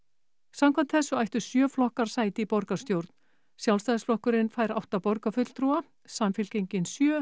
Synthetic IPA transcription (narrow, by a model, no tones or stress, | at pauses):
samkʰam̥t̪θɛsːʏajht̪ʏ̥sjœːflɔhkaɾ̥saːjt̪ɪipɔɾkast̪jowɾt̪n̥ | sjawlst̪ajðɪsflɔhkʏɾɪnfaːjɾa̰wht̪apɔɾkafʏt̪lt̪ʰɾua | samfɪlcejɲcɪnsjœː